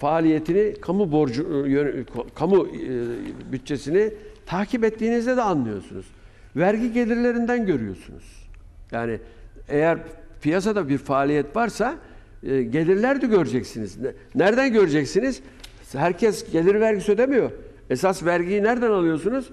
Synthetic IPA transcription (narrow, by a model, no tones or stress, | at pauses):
faːlʲije̞t̪ʰinikʰamuboɾd͡ʒujøkʰkʰamu | byt̪̚t͡ʃʰːe̞sinit̪ʰaːcʰip̬ɛt̪ːiːnizd̪ɛd̪ɛanlˠɯjo̞̰sunṵz̥ | væɾɟiɟe̞lʲiɾlʲe̞ɾind̪ænɟø̞ɾyjo̰ɾsunṵz̥jaːnie̞jæɾfijasad̪abiɾfaːlʲijɛt̪vaɾsa | ɟe̞lʲiɾlʲæɾd̪iɟøɾd͡ʒɛcsiniz | næɾd̪ænɟøɾed͡ʒɛcsiniz̥ | hæɾcʰɛsɟe̞lʲiɾvæɾɟisød̪emijo | esasvæɾɟijinæɾd̪ænalˠɯjo̞sunuz̥